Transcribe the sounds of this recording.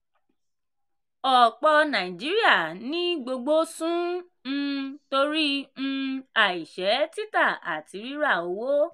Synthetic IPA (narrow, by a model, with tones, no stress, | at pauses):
ɔ˨k͡pɔ˧nã˨ĩ˨d͡ʒi˨˦ɾi˦a˦˨nĩ˦ɡ͡bo˧ɡ͡bo˦sũ˦ | ñ̩˧to˧ɾĩ˦ | a˦˨i˨ʃɛ˨˦ti˦ta˦˨a̰˨ti˨˧˦ɾi˦ɾa˦˨o˨˦wo˦